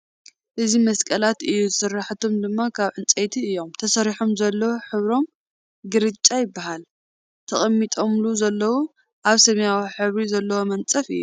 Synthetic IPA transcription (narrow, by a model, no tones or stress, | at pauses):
ʔɨzimɐskʼɐlat̪ɨjːuzɨsɨrːaħt̪ʰo̞md̪ɨmːakʰaβʕɨnt͡sʼejt̪ʰiɨjːo̞mt̪ʰɐsɐɾiħomzɐlːɐwoħɨβɾo̞m | ɡɨɾɨt͡ʃʼːajɪbːaɦal | t̪ʰɐχʼɐmːit̪ʼo̞mluzɐlːɐwu | ʔaβsɐmjawiħɨβɾizɐlːɐwo̞mɐnt͡sʼɐfɨ̰jːu